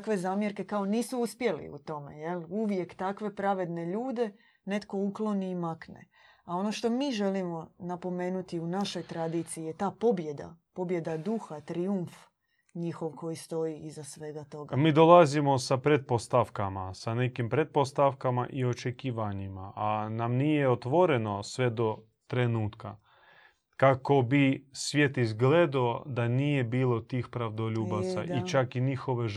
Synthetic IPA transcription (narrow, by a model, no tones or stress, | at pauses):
kʋe̞zaːmje̞ɾke̞kao̞niːsuuspje̞lḭṵt̪o̞me̞̰je̞luʋje̞kt̪akʋe̞pɾaʋe̞d̪ne̞ʎuːd̪e̞ | ne̞t̪ko̞uklo̞niːmaknḛ | ao̞no̞ʃt̪o̞miːʒe̞limo̞napo̞me̞ːnut̪iunaʃo̞jt̪ɾad̪iːt̪sijijet̪aːpo̞bje̞d̪a̰po̞bje̞d̪ad̪uxat̪ɾiuɱf | ɲixoʋko̞jist̪o̞jiizasʋeɡat̪oɡamiːd̪olˠazimo̞sapɾet̪̚post̪afkamasane̞kimpɾe̞t̪̚po̞st̪aʋkamaʔio̞t͡ʃekiːʋaɲimaʔanamnijeot̪ʋo̞ɾe̞no̞sʋe̞d̪o̞ | t̪ɾenuːt̪ka | kako̞bisʋje̞t̪izɡled̪aod̪anije̞biːlˠo̞t̪iːxpɾaʋd̪o̞ʎuːbasaʔit͡ʃakiɲixo̞ʋe